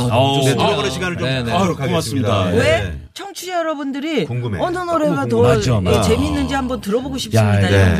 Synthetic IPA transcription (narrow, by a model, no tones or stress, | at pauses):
ooʌɡʌnɯɕʰiɡanɯɭt͡ɕoɯokaɡas͈ɯmidawe̞ | t͡ɕʰʌŋt͡ɕʰud͡ʑejʌɾʌbundɯɾioŋɡueʌnʌnoɾeɡatʌad͡ʑet͡ɕe̞minːɯnd͡ʑihambʌntɯɾʌboɡoɕʰi̥p̚s͈ɯmiao